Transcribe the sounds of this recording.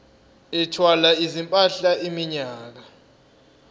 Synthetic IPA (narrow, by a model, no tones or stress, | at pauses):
ɛtʰwalaizimpʼaɬaʔimiɲaːk̬a